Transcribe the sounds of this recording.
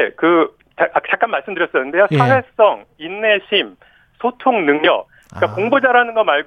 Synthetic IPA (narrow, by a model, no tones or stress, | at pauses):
kɯ | t͡ɕat͡ɕak͈anmːaɭs͈ɯmdɯɾjʌs͈ʌnːɯndesʰawe̞s͈ʌŋinːe̞ɕʰim | sʰotʰoŋnɯŋɲʌk̚ | k͈akoŋbud͡ʑaɾanɯnɡʌmaɭɡ